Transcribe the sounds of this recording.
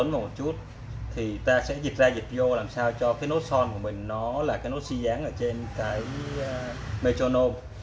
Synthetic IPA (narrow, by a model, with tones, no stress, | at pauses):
ə˨˦nmaː˨˩mo˨˩t̚t͡ɕu˦˥t̚ | t̪ʰi˨˩t̪aː˧sɛ̰˧˥zi˨˩t̚zaː˧zi˨˩t̚i˧ʔo˧laː˨˩msaː˧wt͡ɕɔ˧kaː˨˦jno˦˥t̚sɔ˧nku˧˩əmï˨˩ŋ̟nɔ˨˦laː˨˩kaː˨˦jno˦˥t̚si˧zaː˨˦ŋʔəː˧˩t͡ɕe˧nkaː˨˦j | me˧t͡ɕo˧no˧m